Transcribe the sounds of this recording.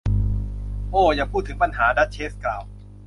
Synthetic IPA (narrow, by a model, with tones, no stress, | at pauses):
ʔoː˧˩jaː˨˩pʰuː˥˩t̪ʰːɯ˩˦ŋpa˧nɦaː˩˦da˦˥t̪̚t͡ɕʰeː˦˥s̚klaː˨˩w